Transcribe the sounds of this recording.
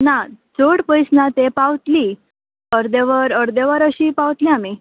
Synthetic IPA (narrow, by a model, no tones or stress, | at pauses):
nad͡zoɽpəjsnat̪epaʋt̪liː | əɾd̪eʋəɾəɾd̪eʋəɾəɕiːpaʋt̪liami